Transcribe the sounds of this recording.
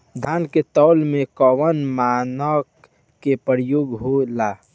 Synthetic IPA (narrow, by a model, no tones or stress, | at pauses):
d̪ʱaːnket̪ɔʊlmẽkɔwənmanək | kepəɾjoːɡɦolaː